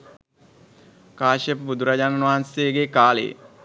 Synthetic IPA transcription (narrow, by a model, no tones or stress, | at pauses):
kaːʃəpəbud̪uɾad͡ʒanənʋaɦanseɡekaːlḛ